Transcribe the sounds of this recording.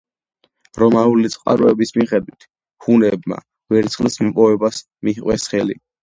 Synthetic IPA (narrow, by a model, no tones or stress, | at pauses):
ɾɔmaulit̪sʼqʼa̰ɾɔɛbismiχɛd̪wit̪ʰ | hunɛbma̰ | vɛɾt̪sʰχlismpʼɔvɛbas | miiqʼwɛsχɛlḭ